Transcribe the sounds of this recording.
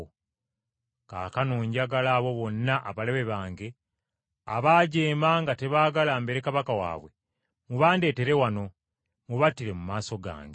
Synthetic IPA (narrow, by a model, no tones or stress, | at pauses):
ka̰ːkanuːɲɟaɡalaːβo̞βo̞nːaʔaβale̞βe̞βaːŋɡe̞ | aβaːɟeːmaŋɡate̞βaːɡalaːmbe̞ɾekaβakawa̰ːβwe | muβaːnde̞ːte̞ɾe̞wano̞ | muβatːiɾe̞mumaːso̞ɡa̰ːŋɡe